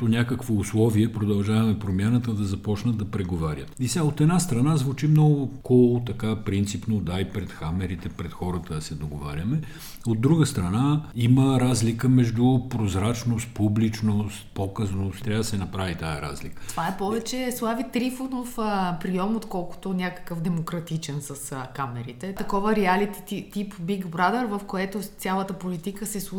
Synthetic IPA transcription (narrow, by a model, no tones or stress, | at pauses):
ponʲakəkvoːslˠɔviɛpɾod̪ɐlˠʒavɐmɛpɾomjanət̪əd̪ɐzɐpɔt͡ʃnəd̪̚d̪ɐpɾɛɡovaɾʲət̪isʲaot̪ɛd̪nast̪ɾɐnazvut͡ʃimnɔɡʊkɔlˠʊt̪ɐkapɾint̪sipnod̪aipɾɛt̪xamɛɾit̪ɛpɾɛt̪xɔɾət̪əsɛd̪oɡova̰ɾʲjəmɛ | od̪ːɾuɡəst̪ɾɐnaiməɾazlikəmɛʒd̪ʊpɾozɾat͡ʃnost̪̚publit͡ʃnost̪̚pokəznost̪ːɾʲaəd̪ɐsɛnɐpɾavit̪ajəɾa̰zlikət̪ovaɛpɔvɛt͡ʃɛslˠavit̪ɾifonofəpɾijɔmot̪kɔlˠkʊ̥t̪onʲakə̥kəfd̪ɛmokɾɐt̪it͡ʃɛnsɐskamɛɾit̪ɛt̪ɐkɔvəɾɛalit̪i̥t̪it̪ipbiɡbɾad̪əɾvɐfkoɛt̪ot̪ʲjalˠət̪əpolit̪ikəsɛsˠu